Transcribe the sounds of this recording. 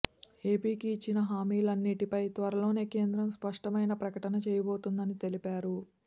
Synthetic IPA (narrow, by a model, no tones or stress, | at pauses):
e̞ːpiːkiːt͡ʃːinɐɦaːmiːlɐnːiʈipɐjt̪ʋɐɾɐlo̞ːne̞ːke̞ːnd̪ɾɐmspɐʂʈɐmɐjnɐpɾɐkɐʈɐnɐt͡ʃɛːjɐbo̞ːt̪und̪ɐnit̪e̞lipaːɾu